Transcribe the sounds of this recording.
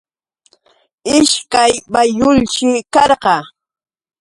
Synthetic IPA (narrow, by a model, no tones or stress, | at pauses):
ɪʃkajbajʊlʃɪkɑɾɢɑ